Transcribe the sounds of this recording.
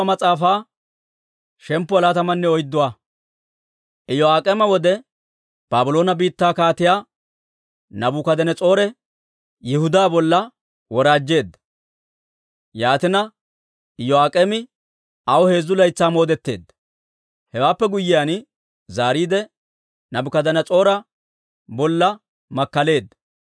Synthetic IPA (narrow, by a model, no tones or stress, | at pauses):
mɐt͡sʼaːfaː | ʃɛmpːʊɐlaːt̪ɐmɐnːɛɔjd̪ːʊwaː | ʔɪjɔaːkʼemɐwɔd̪ɛ | b̥aːbʊlo̞ːnɐbiːt̪ːaːkaːt̪ɪjaː | nɐbʊkɐd̪ɛnɛt͡sʼo̞ːɾɛ | jɪhʊd̪aːbɔlːɐ | wɔɾaːd͡ʒːe̞ːd̪ːɐ̥ | jaːt̪ɪnɐ | ɪjɔaːkʼemɪ | ɐwɔhe̞ːzːʊlɐjt͡sːaːmo̞ːd̪ɛt̪ːe̞̰ːd̪ːɐ̥ | hɛwaːpːɛɡʊjːɪjan | zaːɾiːd̪ɛ | nɐbʊkɐd̪ɐnɐt͡sʼo̞ːɾɐ | bɔlːɐ | mɐkːɐle̞ːd̪ːɐ̥